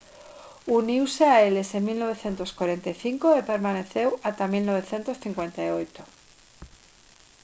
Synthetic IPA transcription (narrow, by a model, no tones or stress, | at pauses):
uniwseaelesemilno̞β̞eθje̞nt̪oskwaɾe̞nt̪ajθiŋkoepeɾmaneθewat̪amilnoβ̞e̞θje̞nt̪osθiŋkwe̞nt̪ajojt̪o